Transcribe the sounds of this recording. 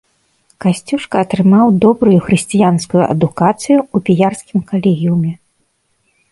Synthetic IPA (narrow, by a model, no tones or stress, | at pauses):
kasʲt͡sʲuʂkɐːt̪ɾɨmawd̪ɔbɾujuxɾɨsʲt͡sʲijanskujuʔɐ̰d̪ukat̪sɨjuːpʲijarskʲimkalʲɛɣʲiwmʲɛ